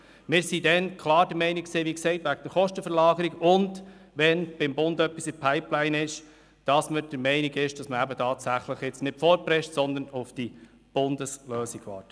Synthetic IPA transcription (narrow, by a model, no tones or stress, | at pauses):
mɪːɾsidɛnkʰlɑːɾd̥əɾmɛɪnikseːʋiksɛɪtʋæɡəd̥əɾχɔʃtəfəɾlɑːɡəɾiɡʊnd̥ | ʋɛnb̥ɪmbʊndœpːisɪpʰaɪplæɪnɪʃ | d̥ɑsməd̥əɾmɛɪniɡɪʃd̥ɑsməæbətʰɑːtsæχləχjɛt͡snɪtfɔːɾpɾɛʃtsɔnd̪ənʊfd̥i | b̥ʊndəsløːsiɡ̥vɑ̰ːɾtə